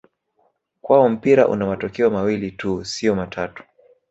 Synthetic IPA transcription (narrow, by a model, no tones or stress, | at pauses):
kwaɔm̩piɾaʔṵnamatɔkɛɔmawilitusiɔmatʰatu̥